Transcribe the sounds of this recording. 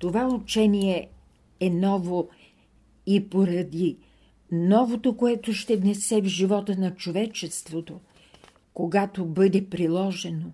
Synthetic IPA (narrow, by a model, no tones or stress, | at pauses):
t̪ovaut͡ʃɛniɛ | ɛnɔvo | ipoɾɐd̪i | nɔvot̪okoɛt̪oʃt̪ɛvnɛsɛvʒivɔt̪ənɐt͡ʃovɛt͡ʃɛst̪vot̪o | koɡat̪obɤd̪ɛpɾilˠɔʒɛno